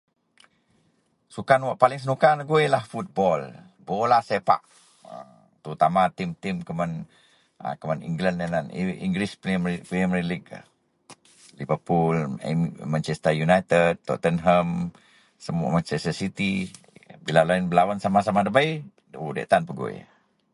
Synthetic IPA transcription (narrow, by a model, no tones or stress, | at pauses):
sukanwaʔpalɪŋs̬ənukanɡuelahfut̪̚bɔl | bɔlasepa̰ʔ | ə̰ | t̪əɾut̪amat̪imt̪imkəmən | ə̰kəmanḭŋɡlanananḭŋɡɾispmpliəmɾilik | livəpul̰mant͡ʃɛst̪ajunajt̪əd̚t̪ɔ̰t̪ənɦəm | səmua̰mant͡ʃɛstəsit̪i | bilalainbəlawansamasamadəbai | odɛ̰ʔt̪anpəɡo̰ḛ